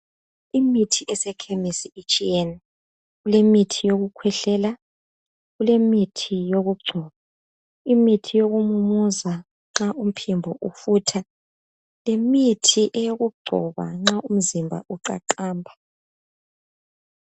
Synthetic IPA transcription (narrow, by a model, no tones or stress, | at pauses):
imitʰiʔɛsɛkʰemisiit͡ʃʼiɛnɛ | ɣulemitʰijoɣukʰwɛɬɛːla | ɣulemitʰijoɣuɡ͡ǀʱɔːβa | imitʰijoɣumumuza | ŋ͡ǁaʔum̩pʰimbʱɔʔufuːtʰa | lemitʰiʔɛjoɣuɡ͡ǀʱɔ̰βa̰ŋ͡ǁaʔum̩zimbʱa̰ʔuǀa̰ǃaːmbʱa